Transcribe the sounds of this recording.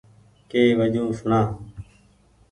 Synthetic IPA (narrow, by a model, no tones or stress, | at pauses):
keːʋəd͡ʒũːsʊɳãː